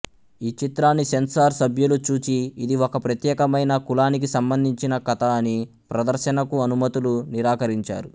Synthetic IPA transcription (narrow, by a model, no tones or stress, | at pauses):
iːt͡ʃit̪ɾaːnːisensaːɾsɐbʱjulut͡ʃuːt͡ʃiːd̪iokɐpɾɐt̪jɛːkɐmɐjnɐkulaːnikisɐmbɐnd̪ʱiɲt͡ʃinɐkɐt̪ɐːni | pɾɐd̪ɐɾʃɐnɐkuɐnumɐt̪uluniɾaːkɐɾiɲt͡ʃa̰ːɾu